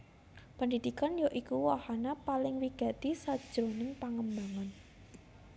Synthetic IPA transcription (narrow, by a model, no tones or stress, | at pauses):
pənd̪id̪̥ikanjoʔikuwahanapalɪŋwiɡ̥a̤t̪isad̥ʒ̥ɾonɪŋpaŋəmbaŋan